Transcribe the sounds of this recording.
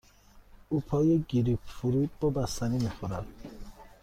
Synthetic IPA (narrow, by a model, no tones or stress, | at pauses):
upʰɒːjeɡiɾifuɾuːd̪̚bɔːbæst̪ænimixoɾæd̪̥